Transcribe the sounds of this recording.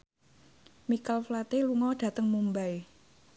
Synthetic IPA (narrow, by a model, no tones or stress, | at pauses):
mikalflat̪eluŋɔɖ̥ä̤t̪əŋmumbaj